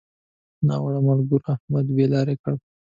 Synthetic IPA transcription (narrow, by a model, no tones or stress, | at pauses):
nɑwaɽamalɡuɾahmad̪belɑɾekəɽ